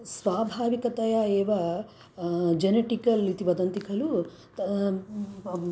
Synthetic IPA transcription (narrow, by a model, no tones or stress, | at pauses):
sʋaːbʱaːʋikɐt̪ɐjaeːʋɐ | d͡ʒeneʈikɐlit̪iʋɐd̪ɐnt̪ikʰɐlu